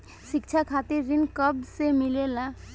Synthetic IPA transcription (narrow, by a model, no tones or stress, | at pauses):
ʃikt͡ʃʰakʰat̪eɾɾinkʌbsemilela